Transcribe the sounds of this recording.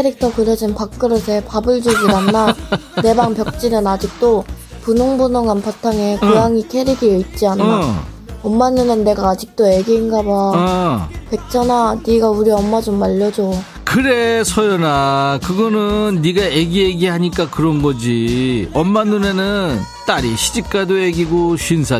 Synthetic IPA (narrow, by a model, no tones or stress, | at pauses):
kʰeɾik̚tʰʌkɯɾʌd͡ʑinpak̚k͈ɯɾɯsʰe̞pabɯɭd͡ʑuɡiɾanːane̞baŋpjʌk̚t͡ɕ͈inɯnad͡ʑik̚t͈o | punoŋbunɯŋanpatʰaŋekojaŋikʰeɾiɡiit̚t͡ɕ͈ianːaʌmːanːunenːe̞ɡaːd͡ʑik̚t͈oe̞ɡiːnɡaba | pek̚t͡ɕʰʌnaniɡauɾiʌmːad͡ʑomaʎːʌd͡ʑo | kɯɾesʰʌjʌnakɯɡʌnɯnːiɡaeɡieɡihaɲik͈akɯɾʌnɡʌd͡ʑiʌmːanːune̞nɯnt͈aɾiɕʰid͡ʑik͈adoeɡiɡoɕɥinsʰa